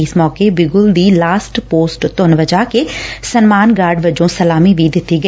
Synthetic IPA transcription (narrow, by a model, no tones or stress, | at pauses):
ɪsmɔːkebɪɡʊld̪iːlaːsʈpoːsʈt̪ʊnʋəd͡ʒaːkeːsənmaːnɡaːɾɖʋəd͡ʒõːsəlaːmiːʋiːd̪ɪt̪ːiːɡə